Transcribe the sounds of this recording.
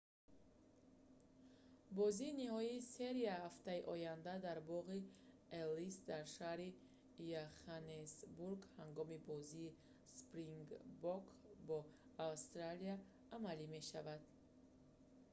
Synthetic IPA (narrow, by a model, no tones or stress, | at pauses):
bɔziːniɦɔiːse̞ɾiahaft̪aiʔɔjand̪ad̪aɾbɔʁi | elisd̪aɾʃahɾi | jaχanesbuɾɡhaŋɡɔmibɔziː | spɾiŋɡbɔkbɔːvst̪ɾaliaː | malime̞ʃavad̪̥